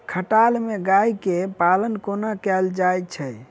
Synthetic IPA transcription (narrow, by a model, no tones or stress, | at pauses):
kʰəʈalmeɡaikepalənkonakɛld͡ʒajt͡ʃʰə